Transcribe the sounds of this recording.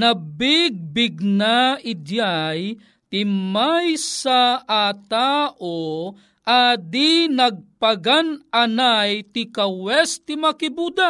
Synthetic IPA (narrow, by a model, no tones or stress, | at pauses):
nabɪɡ̚bɪɡ̚naɪd̪jaj | t̪ɪmajsaʔat̪aʔo | ʔad̪inaɡ̚paɡanʔanajt̪ɪkawɛst̪ɪmakibud̪a